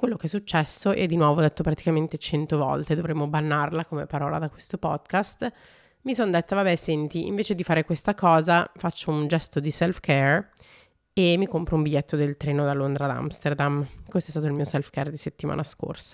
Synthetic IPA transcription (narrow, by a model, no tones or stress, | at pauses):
kwelːokeɛsːut͡ʃːɛsːoʔɛ̰d̪ːinwɔːvod̪et̪ːopɾat̪i̥kament̪et͡ʃɛnt̪ovɔ̰lt̪ed̪ovɾemːobanːarlakomepaɾɔːlad̪akwest̪opɔd̪kast̪ | misond̪et̪ːavabɛsɛnt̪iḭɱveːt͡ʃed̪ifaːɾekwest̪akɔːzafat͡ʃːound͡ʒɛst̪od̪isɛlfkɛr | emːikompɾoumbiʎːɛt̪ːod̪elt̪ɾɛːnod̪alːond̪ɾad̪a̰mst̪erd̪amkwest̪oɛst̪at̪oilmiːosɛlfkɛrd̪iset̪ːima̰ːnasko̰rsḁ